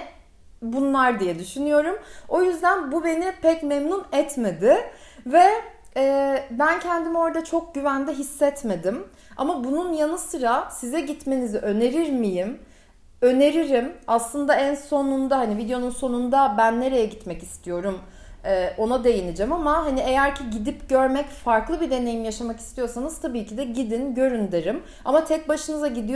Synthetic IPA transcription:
bunlˠaɾd̪ijɛd̪yʃynyjo̞ɾumo̞jyzd̪ænbube̞nipʰɛcmemnunɛt̪me̞d̪ɪ | vɛ | ɛːbæncʰɛnd̪imo̞ɾad̪at͡ʃʰo̞k̚ɟyvænd̪ɛɦisːɛt̪me̞d̪im | a̰mabununjanɯsɯɾasizɛɟit̪me̞niziʔø̞ne̞ɾiɾmijim | ø̞ne̞ɾiɾimaslˠɯnd̪aænso̞nund̪ahanivid̪ejo̞nunso̞nund̪abænːe̞ɾe̞jɛɟit̪mɛcist̪ʰijo̞ɾum | ɛːʔo̞nad̪e̞jinid͡ʒɛmamaɦanie̞jæɾcʰiɟid̪ipɟøɾmɛcfaɾklˠɯbid̪e̞ne̞jimjaʃamakist̪ʰijo̞sanɯz̥t̪ʰabiːcʰid̪ɛɟid̪inɟø̞ɾynd̪eɾim | a̰mat̪ʰɛc̚baʃɯnɯzaɟid̪ij

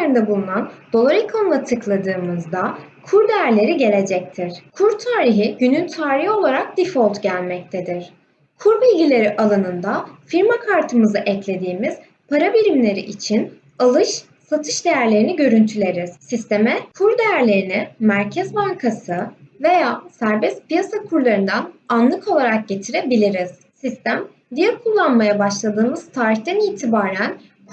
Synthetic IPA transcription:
eɾind̪ɛbulˠunand̪̥o̞lˠaɾɯkʰanlˠat̪ʰɯklˠad̪ɯːmɯzd̪akʰuɾd̪ejæɾlʲe̞ɾiɟe̞lʲe̞d͡ʒɛc̚t̪ʰiɾ̥kʰuɾt̪ʰaːɾiɦiɟynynt̪ʰaːɾiho̞lˠaɾak̚d̪ifolˠt̪ɟælʲmɛc̚t̪ʰed̪iɾ̥ | kʰuɾbilʲɟilʲe̞ɾiʔalˠɯnɯnd̪afiɾmakʰaɾt̪ʰɯmɯzɯʔɛclʲe̞d̪iːmiz̥ | pʰaɾabiɾimlʲe̞ɾḭʔit͡ʃʰin | alˠɯʃ | sat̪ʰɯ̥ʃd̪e̞jæɾlʲe̞ɾiniɟø̞ɾynt̪ʰylʲe̞ɾiz̥sist̪ʰe̞mɛkʰuɾd̪e̞jæɾlʲe̞ɾinɪmæɾcʰɛzbaŋkʰasɯve̞jaːsæɾbɛst̪pijasakʰuɾlˠaɾɯnd̪ananlˠɯkʰo̞lˠaɾak̚ɟe̞t̪ʰiɾe̞bilʲiɾiz̥ | sist̪ʰæm | d̪ijɛɾkʰulˠːanmajabaʃlˠad̪ɯːmɯz̥t̪ʰaːɾiçt̪ɛniːt̪ʰibaːɾæn

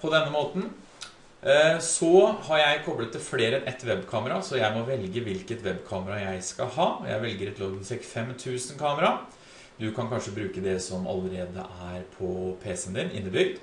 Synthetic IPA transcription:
pʰɔd̪ɛnːəmoːt̪n̩ | sɔhɑɾjæɪkʰɔblət̪ʰːɪlfleːɾəɛnʔɛt̪ʋɛbkʰɑːməɾɑsɔjæɪmɔʋɛlɡəʋɪlkət̪ʋɛbːkʰɑːməɾɑjæɪskɑɦɑːɔjæ̰ɪʋɛlɡəɾɛt̪loːɡsɛkfɛmt̪ʰʉːsənkʰɑːməɾɑ | d̪ʉkʰɑnkʰɑnʂəbɾʉːkəd̪ɛsɔmɑ̰ləɾeːd̪ə̰ʔæɾpʰɔpʰeːsənd̪ɪnʔɪ̰nːəb̪ʏɡd̪

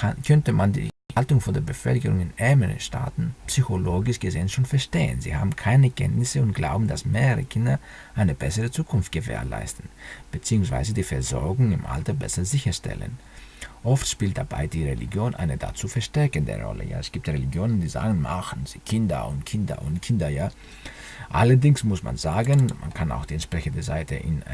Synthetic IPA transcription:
kʰankʰœntəmandḭːaltʊŋfɔndeːɐbəfœlkəʁʊŋɪnʔɛɐməʁə̰ʃtʰa̰ːtn̩psyçoloːɡɪʃɡ̥əzeːənʃoːnfɛɐʃteːə̰nzḭːha̰ːbm̩kʰaɪnəkʰɛ̰ntnɪsəʊntɡ̥laʊbm̩dasmeːʁəʁə̰kʰɪndɐ | ʔaɪnəbɛsəʁət͡suːkʰʊnft̚ɡ̥əvḛːɐla̰ɪstn̩b̥ət͡siːʊŋsv̥a̰ɪzədiːfɛɐzɔɐɡʊŋɪmʔa̰ltɐbɛ̰sɐzɪçɐʃtʰɛ̰lə̰n | ʔɔftʃpiːlt̚d̥ab̥a̰ɪd̥iːʁelḭɡjoːnʔa̰ɪnəda̰t͡suːfɛɐʃtɛɐkəndə̰ʁɔ̰lə̰ja̰ːɛsɡ̥iːp̚tʁeliɡjoːnəndiːza̰ːɡn̩maχn̩z̥iːkʰɪndɐ̰ʊntkʰɪndɐ̰ʔʊ̰ntkʰɪndɐjaː | ʔa̰lɐdɪŋsmʊsma̰nzaːɡənmʔa̰nkʰana̰ʊxd̥iːɛntʃpʁ̥ɛçəndəza̰ɪtʰə̰ʔɪn

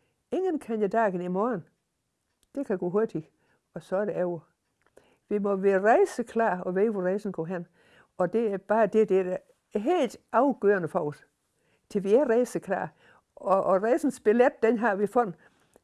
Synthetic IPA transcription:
e̝ŋənkʰænd̥id̥ɑ̈ːɡ̥ənimɔːn | d̥e̝kʰæɡ̥o̰ɦo̝ɐd̥i̥ | ɒsɒɾ̥eæʊɐ | ʋimɔʋeʁɑɪsəkʰlɑ̰̈ːɒʋeːʋoʁeɪsn̩kʰoɦen | ɒ̽d̥e̝æb̥ɑ̈ːd̥e̝d̥ed̥e | ɦe̝̰ːld̥ɑ̈ʊɡ̥øːɐnəfɒud̥ | t͡sʰiʋiæɐʁeɪsəkʰlɑ̰̈ː | ɒʁeɪsn̩sb̥eled̥̚ːenɦɑ̈ʋifɔn

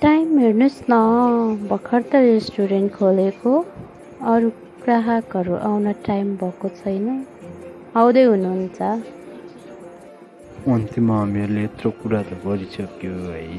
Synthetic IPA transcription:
ʈajmɦernusnʌbʱʌkʰʌrt̪ʌɾesʈuɾenʈkʰoleko | ʌɾu | kraɦakʌɾuʔawnʌʈajmbʱʌkot͡sʰʌjnʌ | awd̪ʌjɦunuɦunt͡sʰʌ | ʌnt̪imaʌmeɾuleːt̪rokuɾat̪oɡʌɾisʌkjoɦʌj

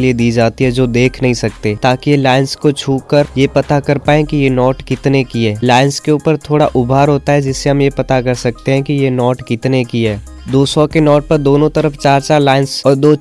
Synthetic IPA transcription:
lied̪iːd͡ʒaːt̪iɦɛd͡ʒoːd̪eːkʰnɐɦĩsɐk̚t̪et̪aːkijelaːɪnskot͡ʃʰuːəɾjepɐt̪akɐɾpaːẽkijenɔːʈkɪt̪nekiɦɛːlaːɪnskeuːpəɾt̪ʰoːɽaʔʊbʱaːɾɦoːt̪aɦɛd͡ʒɪsːeɦɐmjepɐt̪akɐɾsɐk̚t̪eɦɛ̃kijenɔːʈkɪt̪nekiɦɛː | d̪oːsɔkenɔːʈ̚pɐɾd̪oːnõt̪ɐɾəft͡ʃaːɾt͡ʃaːɾlaːɪnsɔːɾd̪oː

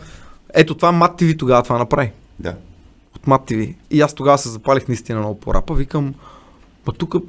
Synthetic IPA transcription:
ɛt̪ot̪vamat̪ːivit̪oɡavət̪vanɐpɾai | d̪a̰ | ot̪mat̪ːiviiast̪oɡavəsɛzɐpalʲixnɐist̪inɐnopo̰ɾʔa̰pəvikəmː | ɐt̪ukə

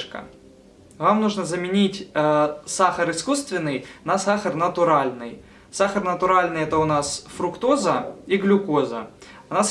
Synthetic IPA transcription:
ʂkə̰ | vamnuʐnəzəmʲɪnʲitʲ | saxəɾɨskust̪vʲɪnːɨjnɐsaxərnət̪ʊɾalʲnɨj | saxərnət̪ʊɾalʲnɨjɛt̪əʊnasfɾʊkt̪o̞zəiɡlʲʊkozə̰ʊnas

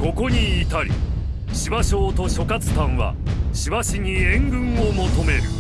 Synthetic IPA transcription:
ko̞ko̞ɲ̟iːt̪aɾʲḭ | ɕibaɕo̞ːt̪o̞ɕo̞kat͡sɨ̥t̪ãɰ̃βa̰ɕibaɕiɲ̟iẽ̞ŋɡɯ̟̃ɰ̃omo̞t̪o̞me̞ɾɯ̟̰

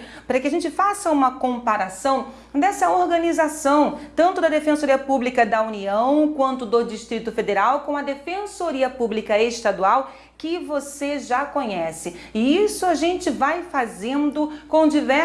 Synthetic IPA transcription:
paɾɐkɪɐʒẽnt͡ʃɪfasɐũmɐkõmpaɾasɐ̃w̃ | d̪ɛsɐoɾɡɐ̃nizasɐ̃w̃t̪ɐ̃nt̪ʊd̪ɐd̪efẽsoɾiɐpublikɐd̪ɐuniɐ̃w̃kwɐ̃nt̪ʊd̪ʊd͡ʒiʃt̪ɾit̪ʊfed̪eɾawkõm̃ʊɐd̪efẽsoɾiɐpublikɐeʃt̪ad̪uaw | kɪvoseʒakõɲɛsɪɪisʊaʒẽnt͡ʃɪvajfazẽnd̪ʊkõw̃d͡ʒivɛ

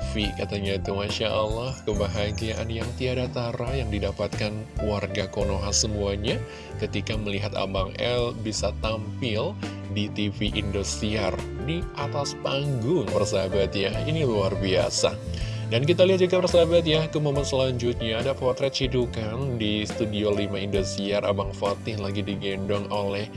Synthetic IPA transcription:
fikat̪aɲait̪umaʃaʔəlːahkəbaɦaɡiaʔa̰njaŋt̪iadat̪aɾajaŋdidapat̪̚kanwarɡakonoɦansəmuaɲa | kət̪ikaməliɦat̪a̰baŋɛlbisat̪ampɪl | dit̪ifiʔindust̪ɾiardiʔat̪aspaŋɡʊŋbərsabat̪̚jainiluarbia̰sa̰dankit̪̬aliɦat̪̚d͡ʒuɡabərsabat̪̚jakəmomansəlaɲd͡ʒut̪̚ɲaːdapɔrt̪ɾɛt̪̚t͡ʃidukandist̪udiolimaindost̪ɾiarʔa̰baŋfat̪ɪhlaɡidiɡɛndɔŋolɛh

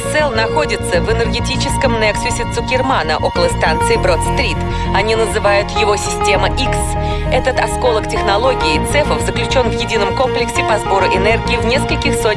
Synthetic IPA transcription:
t̪sɛlˠnɐxo̞dʲɪt̪səvɨnərɡʲɪtʲit͡ɕɪskəmnɛksʲʊsʲɪt̪sʊkʲɪrmanəʔo̞kəlˠəst̪ant̪sɨɪbɾot̪st̪ɾʲit̪ | ɐnʲinəzɨvajʊt̪jɪvo̞sʲɪsʲtʲe̞məʔiks | ɛt̪ət̪ɐsko̞lˠəktʲɪxnɐlˠo̞ɡʲɪːt̪sɛfəvzəklʲʉt͡ɕo̞nvjɪdʲinəmko̞mplʲɪksʲɪpɐzbo̞ɾʊʔɪnɛrɡʲɪːvnʲe̞skəlʲkʲɪxso

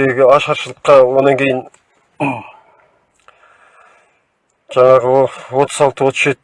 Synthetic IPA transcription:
eɡʲɪɑʃɑɾʃəlˠəqːɑwonɑŋkʲʰe̞jɪn | ʒ̥ɑɴɑʁəwo̞t̪ʰəzɑlˠt̪əwo̞t̪ə̥ʃet̪

